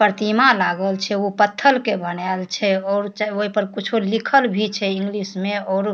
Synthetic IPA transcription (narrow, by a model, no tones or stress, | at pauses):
pəɾt̪imalaɡəlt͡ʃʰɛopət̪ʰːəlkebənalt͡ʃʰɛɔːɾt͡ʃoɦipəɾkut͡ʃʰolikʰəlbʱit͡ʃʰɛĩŋɡlismeɔːɾ